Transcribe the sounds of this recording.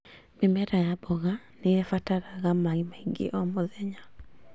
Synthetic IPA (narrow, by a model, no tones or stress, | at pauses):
memɛɾajabɔɣa | neɛfataɾaɣamaimaiŋɡḛʔɔmoðɛɲa